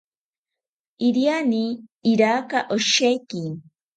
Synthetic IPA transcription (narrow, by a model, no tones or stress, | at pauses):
iɾjaniːɾakaʔoʃejki